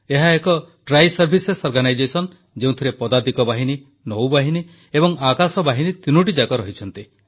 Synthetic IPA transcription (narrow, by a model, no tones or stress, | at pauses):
eɦaekɔʈɾajsɔɾbʱisesɔɾɡanajd͡ʒesɔn | d͡ʒeũt̪ʰiɾepɔd̪ad̪ikɔbaɦini | nɔwbaɦini | ebɔŋakasɔbaɦinit̪inuʈ̬id͡ʒakɔɾɔɦit͡ʃʰɔnt̪i